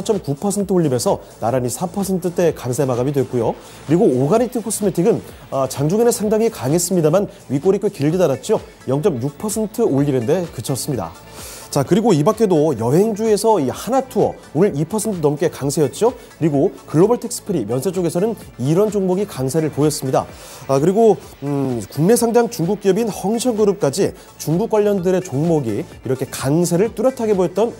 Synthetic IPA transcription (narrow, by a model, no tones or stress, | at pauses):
at͡ɕ͈ʌmkupʰʌsʰe̞ntʰɯoʎːibe̞sʰʌ | naɾaɲisʰapʰʌsʰe̞ntʰɯt͈e̞kaŋsʰemaɡamidwe̞k͈ujo | kɯɾiɡoːɡanitʰipʰʌs͈ɯmetʰiɡɯn | ʌt͡ɕaŋd͡ʑuŋenesʰaŋdaŋikaŋe̞s͈ɯmɲidaman | ɥik͈oɾik͈ʰwekiɭɡidaɾat̚t͡ɕ͈io | jʌŋt͡ɕ͈ʌmjuk̚pʰʌsʰe̞ntʰɯoʎːiɾende̞kɯt͡ɕʰʌs͈ɯmɲida̰ | t͡ɕakɯɾiɡoibak͈ʰe̞dojʌɦe̞ŋd͡ʑue̞sʰʌihanatʰuʌ | onɯɾipʰʌsʰe̞ntʰɯnʌmk͈e̞kaŋsʰe̞jʌt̚t͡ɕ͈o | kɯɾiɡokɯɭːobʌɭtʰek̚s͈ɯ̥pʰɯɾimjʌnsʰet͡ɕ͈oɡe̞sʰʌnɯn | iɾʌnt͡ɕoŋmoɡikaŋsʰe̞ɾɯɭpojʌs͈ɯmɲida̰ | kɯɾiɡo | kuŋne̞sʰaŋdaŋt͡ɕuŋɡuk̚k͈ijʌbinhʌŋɕʰʌŋɡɯɾɯp̚k͈ad͡ʑi | t͡ɕuŋɡuk͈̚waʎːʌndɯɾe̞t͡ɕoŋmoɡi | iɾʌkʰe̞kaŋs̬ʰe̞ɾɯɭt͈uɾjʌtʰaɡe̞bojʌt̚t͈ʌn